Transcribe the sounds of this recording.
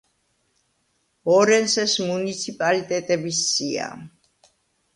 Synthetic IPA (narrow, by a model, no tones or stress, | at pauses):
ɔɾɛnsɛsmunit̪sʰipʼalit̪ʼɛt̪ʼɛbisːia̰